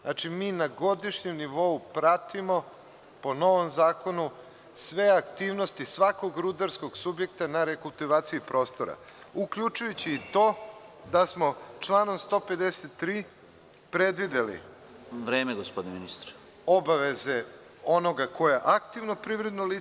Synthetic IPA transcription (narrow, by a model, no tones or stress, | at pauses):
nat͡ʃimiːnaɡo̞d̪iʃɲemniʋo̞upɾat̪imo̞ | po̞no̞ʋo̞mzaːko̞nu | sʋe̞akt̪iːʋno̞st̪isʋako̞ɡɾud̪aɾsko̞ɡsubje̞kt̪anaɾekulˠt̪iʋaːt̪siipɾo̞ːst̪o̞ɾa̰ | ukʎut͡ʃujut͡ɕiːt̪o̞ːd̪asmo̞t͡ʃlˠaːno̞mst̪o̞ːpe̞d̪eset̪ːɾiː | pɾe̞d̪ʋid̪elḭ | ʋɾeːmeɡospod̪ineminist̪ɾ | o̞baʋe̞ze̞ | o̞no̞ɡako̞jaʔakt̪iʋnopɾiːʋɾe̞d̪noli